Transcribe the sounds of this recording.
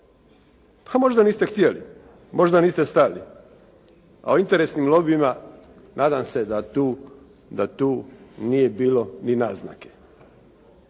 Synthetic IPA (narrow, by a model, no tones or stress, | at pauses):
pʰamo̞ʒd̪aniːst̪e̞xt̪jelḭ | mo̞ʒd̪aniːst̪e̞st̪ali | a̰oint̪eɾesnimlˠobima | naːd̪amse̞d̪at̪uː | d̪at̪uːnije̞biːlo̞nina̰ːzna̰ke̥